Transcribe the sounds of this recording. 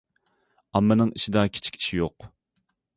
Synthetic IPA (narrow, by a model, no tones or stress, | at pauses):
ɑmːɪnɨŋiʃid̪ɑkʲʰi̥t͡ʃʰkʲʰi̥ʃijoq